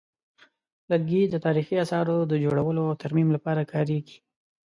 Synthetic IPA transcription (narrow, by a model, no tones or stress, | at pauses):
laɡid̪ət̪ɑɾixiasɑɾod̪əd͡ʒoɽawəloawt̪aɾmimlapɑɾakʰɑɾeɡi̥